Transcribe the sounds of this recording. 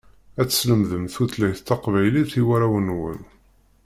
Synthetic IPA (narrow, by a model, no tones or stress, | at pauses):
æt͡sːə̥sləmðəmθuθlæjθt̪ːɑqvæjliθiwæɾæwənwə̰n